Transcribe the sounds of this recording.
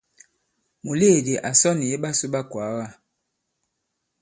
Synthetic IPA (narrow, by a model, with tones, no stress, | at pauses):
mu˨le˦˨de˨ʔa˨sɔ˦ni˨e˦ɓa˦su˦ɓa˦kwa˨˦wa˦˨